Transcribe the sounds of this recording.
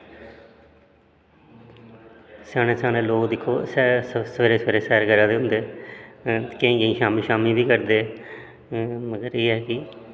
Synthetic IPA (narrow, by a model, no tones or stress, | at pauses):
saːɽ̃ẽːsaːñẽːloːkd̪ɪkʰːoːsɛsʋeɾeːsʋeːɾeːsɛːɾkəɾãːd̪eːɦʊ̃nd̪eː | kẽːɡeĩːʃaːmiːʃaːmiːbiːkəɾd̪eː | məɡəɾeːɛːkɪ